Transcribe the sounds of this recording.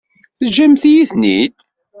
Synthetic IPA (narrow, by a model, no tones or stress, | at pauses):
θəd͡ʒæmθjiθnḭd̪